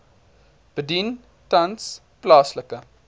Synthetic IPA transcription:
b̥ədin | tɐns | plɑːsləkə

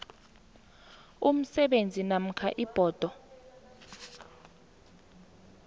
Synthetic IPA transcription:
um̩sɛɓend͡zʱinam̩kʰaʔib̥ʱɔːd̥ʱɔ

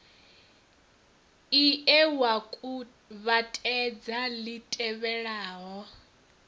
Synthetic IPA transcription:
iʔɛwakʼu | βatʼɛd͡zalitʼɛβɛɺaːɦɔ

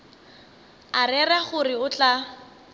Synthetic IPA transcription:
arɛrɛχʊrɪʊt͡ɬa

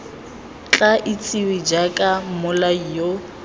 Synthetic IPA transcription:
t͡ɬʼaʔɪt͡sʼɪwɪd͡ʒakʼamʊlaijo

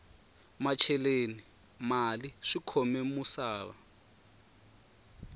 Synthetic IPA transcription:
mat͡ʃʰɛleni | maliʂikʰɔmɛmusaːβa̰

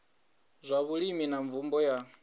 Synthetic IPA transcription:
zʷaβuɺiminaɱvumbɔja

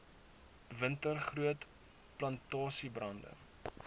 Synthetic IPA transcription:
vəntərχruət | plɐntɑːsibrɐndə̰

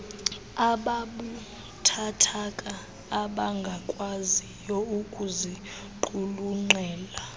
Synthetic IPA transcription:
aɓaɓu | tʰatʰakʼaː | ɓaŋɡʱakʼwazijɔukʼuzi | ǃuluŋ͡ǃɛːla

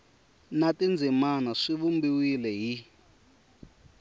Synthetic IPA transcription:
natind͡zʱimanaʂiβumbiwilɛɦi

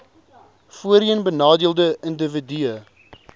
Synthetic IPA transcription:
fuəɾiənbənɑːdiəlˠdəəndəvədiə

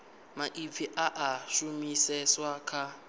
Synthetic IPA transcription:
maʔib̪fiʔaʔaʃumisɛswakʰa

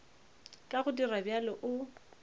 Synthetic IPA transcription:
kʼaɣʊdirabjalɔʔʊ

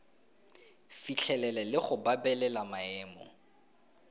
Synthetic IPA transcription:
fit͡ɬʰɛlɛlɛlɪχʊbabɛlɛlamaɛːmɔ̰

